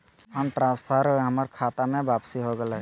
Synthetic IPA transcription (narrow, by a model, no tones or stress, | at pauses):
ənʈɾãːspʰəɾɦəməɾkʰaːt̪amẽʋaːpsiɦoɡəla